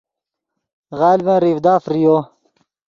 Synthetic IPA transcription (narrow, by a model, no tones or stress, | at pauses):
ɣaːlibɐ̃nɾifd̪aːfɾijoː